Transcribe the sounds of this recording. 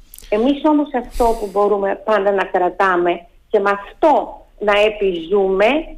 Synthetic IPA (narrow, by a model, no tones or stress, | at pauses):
e̞miso̞mo̞sɐft̪o̞pubo̞ɾume̞pɐnd̪ɐnɐkɾɐt̪ɐme̞ | ce̞mɐft̪o̞ | nɐepizume̞